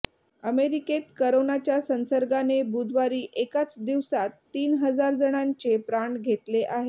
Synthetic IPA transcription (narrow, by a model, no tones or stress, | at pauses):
əmeɾiket̪kəɾonat͡ɕjasə̃nsəɾɡanebud̪ʋaɾiːʔekat͡sd̪iʋsat̪ːiːnɦəd͡zaɾd͡zəɽ̃aɲt͡ɕepɾaɳɡʱet̪leʔaɦe